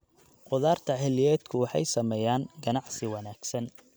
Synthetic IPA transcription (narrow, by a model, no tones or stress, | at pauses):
qʊðaːrt̪ʰɐħɛlɪjɛːd̪kʰʊwɑħɑ̰jsɐmɛːjaːŋɡɐnɑʕsɪwɑnaːɡ̥sɐn